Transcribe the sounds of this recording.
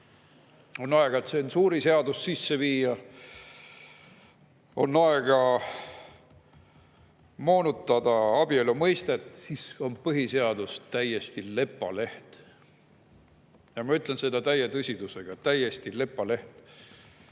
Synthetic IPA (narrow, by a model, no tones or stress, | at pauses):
o̞nːɑe̞ɡ̥ɑet̪sensuːɾise̞ɑd̪̥ussisːe̞viːjɑ | o̞nːɑeɡ̥ɑ | mo̞ːnut̪ːˑɑd̪̥ɑɑb̥ielumɤjst̪et̪siso̞npɤɦise̞ɑd̪̥ust̪æje̞st̪ile̞pːˑɑ̰le̞ht̪ | jɑmɑyt̪ˑlense̞d̪̥ɑt̪æjet̪ɯsʲid̪̥use̞ɡ̥ɑt̪æje̞st̪ile̞pːˑɑle̞ht̪